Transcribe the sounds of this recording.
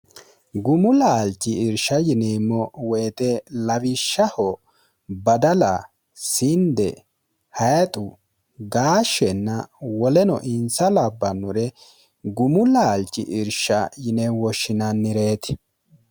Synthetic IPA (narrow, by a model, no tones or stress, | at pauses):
ɡʊmʊlːɐːlt͡ʃːɪɪɾʃɐjɪneːmːɔwɛjt̪ɛlɐβɪʃːɐhɔ | bɐd̪ɐlɐ | sɪnd̪ɛ̰ | hɐjt̪ʼʊ | ɡaːʃːɛnːɐwɔlɛnɔ̰ʔɪnsɐlɐbːɐnːʊɾɛ | ɡʊmʊlːɐːlt͡ʃːɪ̰ʔɪɾʃːɐjɪnewɔʃːɪnɐnːɪɾe̞ːt̪ɪ̥